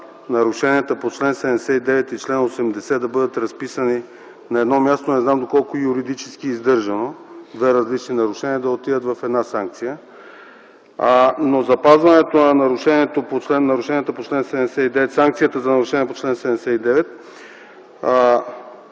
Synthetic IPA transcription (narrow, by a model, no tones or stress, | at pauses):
nɐɾʊʃɛniət̪əpot͡ʃlɛnsɛd̪ɛmɛsɛt̪id̪ɛvɛt̪it͡ʃlɛnosɛmd̪ɛsɛd̪ɐbɤd̪ət̪ɾɐspisəni | nɐɛd̪nɔmʲjast̪onɛznamd̪okɔlˠkojuɾid̪it͡ʃɛ̥skiːzd̪ɤɾʒɐnod̪vɛɾɐzlit͡ʃninɐɾʊʃɛniəd̪ɐot̪ivət̪vɐfɛd̪nasaŋk̚t̪sijə | nozɐpazvɐnɛt̪onɐnɐɾuʃɛniɛt̪opot͡ʃlɛnːɐɾuʃɛniət̪əpot͡ʃlɛnsɛd̪ɛmsɛid̪ɛvɛt̪saŋk̚t̪siət̪əzɐnɐɾuʃɛniɛpot͡ʃlɛnsɛd̪ɛmɛsɛid̪ɛvɛt̪̚